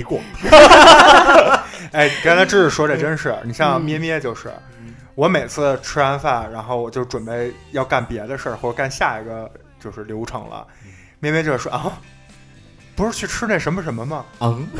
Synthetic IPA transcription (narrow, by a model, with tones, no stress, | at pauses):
i˧˥kwɔ˨˩ | e˥˩ɪn˨˩ka˥nʰa˥ɪʈ͡ʂɻ̩˥˧ʂɻ̩˥˩ʂwɔ˥ʈ͡ʂa˥˩ɪʈ͡ʂə˥nʂɻ̩˥˩ni˨˩ɕjɑ˥˧ŋmjɛ˥˧mjɛ˥t͡ɕjo˥˧ʊʂɻ̩̰˥˩ | wɔ˧˥me˨˩ɪt͡sʰɹ̩˥˩ʈ͡ʂʰɻ̩˥a˥nfa˥˩ɻa˧˥nxo˥˩ʊwɔ˨˩t͡ɕjo˥˩ʊʈ͡ʂwə˨˩npe˥˩ɪjɑ˥˧ʊka˥˩npjɛ˧˥d̪ə˧ʂə˥˧xwɔ˥˩ʈ͡ʂə˧ka˥˧nɕja˥˩i˧˥ɡə˧t͡ɕjo˥˧ʊʂɻ̩˥˩ljo˧˥ʊʈ͡ʂʰɤ̰˨˧˩ŋlə̰˧ | mjɛ˥˧mjɛ˥t͡ɕjo˥˧ʊɻ̩˥˧˩ʔɐ˥ | pu˧˥ʂɻ̩˥˧t͡ɕʰy˥˩ʈ͡ʂʰɻ̩˥ne˥˩ɪʂə˧˥nmə˧ʂə˧˥nmə˧mɐ˨